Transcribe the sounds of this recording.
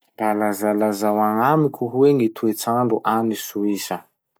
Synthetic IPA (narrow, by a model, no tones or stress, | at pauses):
balazalazawaŋamikʰʲuɦweŋit̪ʰuet͡saɳɖ͡ʐuʔanisuisə